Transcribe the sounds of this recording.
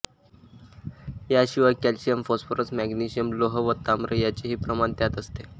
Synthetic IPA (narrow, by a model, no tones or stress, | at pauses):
jaɕiʋakɛlɕijəmfosfoɾəsmæɡniɕijəmloɦəʋət̪amɾəjat͡ɕeɦiːpɾəmant̪jat̪əst̪e